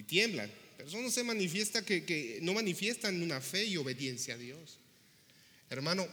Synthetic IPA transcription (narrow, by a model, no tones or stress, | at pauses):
it̪je̞mbla̰npeɾosonosemanifje̞st̪akekeno̞manifje̞st̪anũnafe̞io̞βe̞ðje̞nsjaːðjo̞s | eɾmãno̞